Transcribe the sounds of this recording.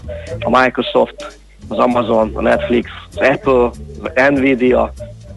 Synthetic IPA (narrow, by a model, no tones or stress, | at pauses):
ɔmaɪkɾosɔft̪ | ɔzamazon̰nɛt̪flikszɛpl̩ɛnvidio